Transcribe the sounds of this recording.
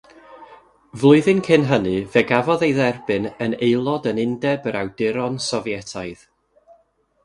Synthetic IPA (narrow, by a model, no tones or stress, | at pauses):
vlˠʊɨðɨnkʰɪnɦənɨvɛɡavɔðejðɛrbɨnənejlˠɔdənɪndɛbəɾawd̥ɪɾɔnsɔvjɛtʰajð